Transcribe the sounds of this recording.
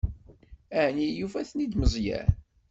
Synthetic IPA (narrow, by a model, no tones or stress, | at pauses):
æhnijufæθnid̪məzˤjæ̰